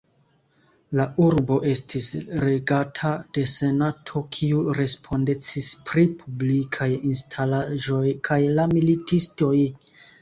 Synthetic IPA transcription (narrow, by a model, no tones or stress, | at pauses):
laʔuɾbo̞ʔe̞stʰisɾeɡatʰad̥e̞se̞natʰo̞kʰiuɾe̞spʰo̞nde̞t͡sispɾipʰublikʰajinstʰalaʒo̞jkʰajlamilitisto̞j